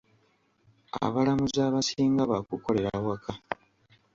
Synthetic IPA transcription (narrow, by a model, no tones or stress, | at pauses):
a̰βalamuzaːβasiːŋɡaβakuko̞le̞ɾawakʰa